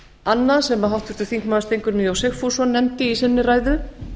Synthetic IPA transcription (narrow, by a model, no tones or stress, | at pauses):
anːasɛmaɦawht̪ʏɾ̥t̪ʏ̥θiŋkmaːðst̪ejŋkʏɾmiawsɪxfu̥sɔnɛmt̪ɪisɪnːɪraːjðʏ